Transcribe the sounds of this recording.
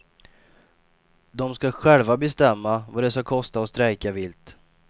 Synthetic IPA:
d̪ɔmskaɧɛlvabɛst̪ɛmːavaɖɛskakʰɔst̪aɔst̪ɾɛjkavɪlt̪

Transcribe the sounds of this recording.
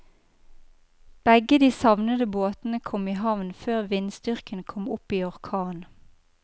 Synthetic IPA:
b̥ɛɡəd̪iːsɑʋnəd̪əboːt̪n̩əkʰɔmiːɦɑʋnføːʁʋɪnst̪ʏʁkənkʰɔmʊpiːɔʁkʰɑːn

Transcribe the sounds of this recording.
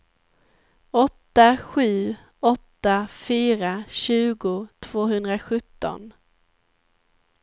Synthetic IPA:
ɔt̪ːaɧʉ̟ː | ɔt̪ːafyːɾaɕʉ̟ːɡʊt̪ʰv̥oːɦɵnd̪ɾaɧɵt̪ːɔ̰n

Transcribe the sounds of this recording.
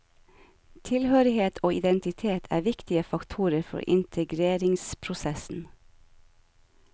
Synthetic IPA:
t̪ʰɪlhøːɾɪheːt̪ʰoːɪd̪ɛnt̪ɪt̪ʰeːt̪ʰæ̰ːʋɪkt̪ɪəfɑkt̪ʰuːɾəɾfɔ̰ɾʔɪ̰nt̪ʰəɡɾeːɾɪŋspʰɾʊsɛsn̩

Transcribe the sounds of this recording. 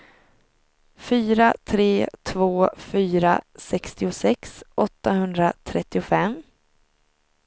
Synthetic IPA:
fyːɾat̪ʰɾeːt̪ʰvoːfyːɾa̰sɛkst̪ɪʊsɛksʔɔt̪ːaɦɵnd̪ɾat̪ʰɾɛt̪ːɪʊfɛm

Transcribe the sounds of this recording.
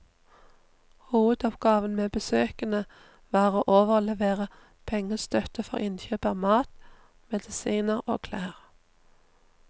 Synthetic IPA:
huːʋəd̪ɔpɡɑːʋənmeːbəsøːkənə | ʋɑːʁoːʔoːʋəlɛʋeːʁə | pʰɛŋəst̪ʰœt̪əfɔ̰ʁɪnçyːpəʁmɑːt̪ | mɛd̪ɪsiːnəʁo̰ːkʰlæːʁ

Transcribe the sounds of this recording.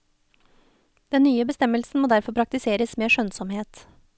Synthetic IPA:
d̪̥ɛnnyːəbəst̪ɛməlsn̩moːd̪æɾfɔɾpʰɾɑk̚t̪ɪseːɾəsmeːʃœnsɔmheːt̪

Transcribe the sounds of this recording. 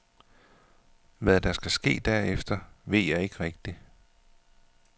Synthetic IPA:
ʋæðˠd̥ɑ̈sɡ̥æsɡ̥e̝̰ːd̥æɐ̰efd̥ɐʋe̝ð̰ˠjɑɪe̝ɡ̥əʁɛɡ̥̚d̥i

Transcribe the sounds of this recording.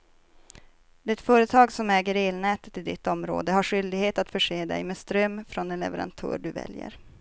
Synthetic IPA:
d̪ɪt̪fœːɾət̪ʰɑːɡsɔmɛːɡəɾeːlnɛːt̪ə̥t̪ːɪld̪ɪt̪ːɔmɾo̰ːd̪əɦaɧʏld̪ɪɡheːt̪at̪fœʂeːd̪ɛ̰jmeːst̪ɾœmːfɾɔnd̪ɛnlɛ̰vəɾa̰nt̪ʰœ̰ːɾɖɵvɛ̰ljə̰ɾ

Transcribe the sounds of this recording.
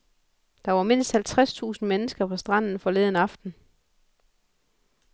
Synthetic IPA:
d̥ɑ̈ʋɑ̈me̝n̰sd̥hælt͡sʰʁast͡sʰṵːsn̩menəsɡ̥ɐpʰɒ̽sd̥ʁɑn̰n̩fɒ̽leːðˠn̩ɑ̈fd̥n̩

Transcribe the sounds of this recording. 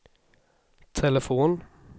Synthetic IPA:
t̪ʰɛləfuːn

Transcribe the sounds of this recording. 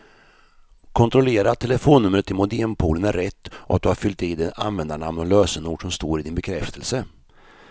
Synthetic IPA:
kʰɔnt̪ɾɔleːɾat̪ʰːɛləfoːnːɵmɾət̪ʰːɪlmʊd̪ɪmpʰuːlənæɾːɛt̪ːʔɔat̪̚d̪ɵhaɾfʏlt̪ɪd̪ɛa̰nvɛnd̪aɳamnɔløːsənuːɖʂɔmst̪oːɾɪd̪ɪnbɛkʰɾɛft̪ʰəlsə

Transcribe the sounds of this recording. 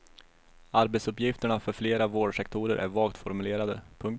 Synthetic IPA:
aɾbɛt̪sɵpjɪft̪əɳafœɾfleːɾavoːɖʂɛk̚t̪ʰuːɾəɾʔæ̰ɾvɑːlt̪fɔɾmɵleːɾad̪ə̰pʰɵŋk̪

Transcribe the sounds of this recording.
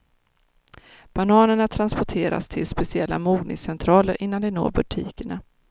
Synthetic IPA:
b̥anɑːnəɳat̪ʰɾanspɔʈʰeːɾa̰st̪ʰɪlspɛsɪɛlːa̰muːɡnɪ̰ŋsɛnt̪ʰɾɑːləɾʔɪnːand̪ɛno̰ːɾbɵʈʰḭːkəɳa

